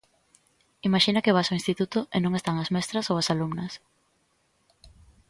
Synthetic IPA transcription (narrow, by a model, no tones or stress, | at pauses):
imaʃinɐkɪβasoĩnst̪it̪ut̪ʊʔenõŋest̪aŋɐzmɛst̪ɾɐsowasalumnɐs